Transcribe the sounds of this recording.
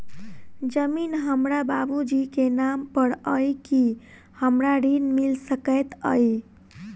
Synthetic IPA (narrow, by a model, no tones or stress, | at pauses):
d͡ʒəminɦəmɾababud͡ʒikenampəɽəjki | həmɾaɾinmilsəkət̪ə̰j